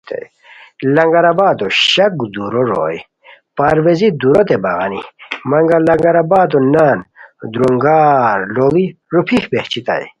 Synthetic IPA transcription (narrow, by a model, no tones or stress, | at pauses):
t̪ḛj | lɐŋɡɐɾabaːd̪oɕɐkd̪uɾoɾo̰j | paɾwezid̪uɾot̪ebaɣanimɐŋɡalɐŋɡɐɾabaːd̪onaːnd̪ɾoŋɡaːɾlowiɾupʰihbeht͡ɕʰit̪a̰j